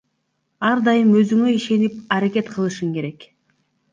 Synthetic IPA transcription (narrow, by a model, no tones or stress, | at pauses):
ɑɾd̪ɑjɯmø̞zyŋøiʃe̞nip̚ɑɾake̞t̪qʰɯlˠɯʃɯŋke̞ɾe̞k